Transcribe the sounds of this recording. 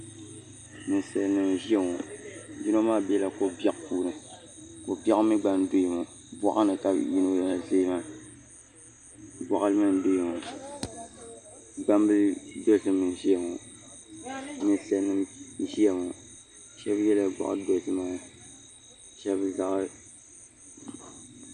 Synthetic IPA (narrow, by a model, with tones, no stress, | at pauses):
mɨ˨n˨sa˨lnɨ˨mʒi˦ɛ˨ŋɔ˨di˦no˦maː˦bɛ˦la˨ko˨bɛ˦ʔpuː˦nɨ˨ko˨bɛ˦ʔmi˦ɡ͡ba˦n˦do˦˨ŋo˨ | bɔ˦ʔa˦nɨ˨ka˨ji˦no˦jɛ˦la˨zeː˦maː˦ | bɔ˨ʔa˦lɨ˦mɨ˦n˦do˦jŋɔ˨ | ɡ͡ba˦mbɨ˦do˦˨sɨ˦mɨ˨ʃi˦ɛ˨ŋɔ˨ | mɨ˦n˦sɛ˦nːɨ˦m˦ʃi˦ɛ˨ŋo˨ | ʃɛ˦bjɛ˦la˨ɡ͡bɔ̰˨ʔa̰˨˦do˨˦sɨ˦ma˨ | ʃɛ˦bza˨ʔ